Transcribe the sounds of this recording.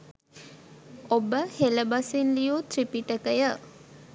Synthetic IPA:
obəheləbasinlijut̪ripiʈəkəjə

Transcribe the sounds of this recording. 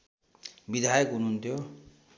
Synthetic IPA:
bid̪ʱajkunuɦunt̪ʰijo

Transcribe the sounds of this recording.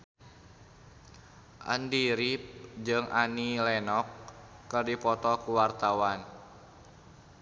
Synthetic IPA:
ʔa̰ndiɾip̚d͡ʒɨŋʔanilɛnɔkːərdipɔt̪ɔkuwart̪awan

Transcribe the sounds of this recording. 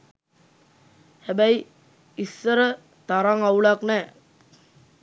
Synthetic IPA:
hæbæj | isːəɾə | t̪aɾaŋauɭaknɛː

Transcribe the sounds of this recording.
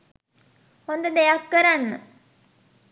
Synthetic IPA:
hond̪əd̪ejakːəɾanːə̰

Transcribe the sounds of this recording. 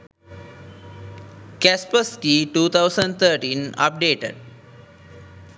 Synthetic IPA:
kæspəskiːʈuːt̪ʰaʊsə̃ɳɖt̪ʰəːʈĩːna̰p̚ɖeːʈḛɖ̚

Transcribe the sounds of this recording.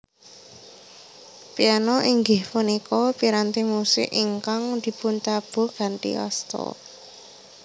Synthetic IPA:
pianɔʔiŋɡɪhfunikɔpiɾant̪imusɪ̰ʔiŋkaŋd̪̥i̤punt͡ʃab̥o̤ɡ̥a̤nʈ̪ḭɔ̰st̪ɔ̰

